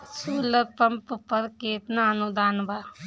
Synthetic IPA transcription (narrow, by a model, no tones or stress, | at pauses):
suːlət̚pɐmpəpəɾkeːt̪naənud̪aːnbaː